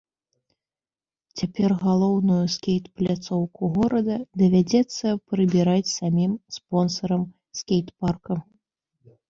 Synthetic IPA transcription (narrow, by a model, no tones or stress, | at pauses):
t͡sʲapʲɛrɣalˠɔwnujuskʲejt̪plʲat̪sɔwkuɣɔɾɐd̪ɐd̪ɐvʲad͡zʲɛt̪sːɐpɾɨbʲiɾat͡sʲsamʲimspɔnsɐɾɐm | skʲejt̪parkɐ